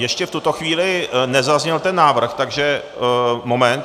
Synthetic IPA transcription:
jɛʃcɛft̪ut̪o̞xviːlɪnɛzazɲɛlt̪ɛnːaːvr̩xt̪aɡʒɛ | momɛnt̪

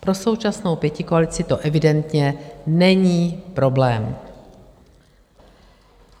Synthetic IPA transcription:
pɾo̞so̞wt͡ʃasno̞wpjɛcɪkoalɪt͡sɪt̪o̞ʔɛvɪdɛnt̪ɲɛnɛɲiːpɾo̞blɛːm

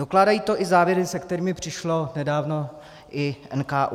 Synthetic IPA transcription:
doklaːdajiːt̪o̞ʔɪzaːvjɛɾɪsɛkt̪ɛɾiːmɪpr̝̥ɪʃlo̞nɛdaːvno̞ | ʔɪʔɛnkaːʔ

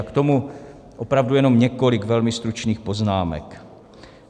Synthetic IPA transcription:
kt̪omu | ʔo̞pɾavdujɛno̞mɲɛko̞lɪkvɛlmɪst̪ɾut͡ʃniːxpo̞znaːmɛ̰k

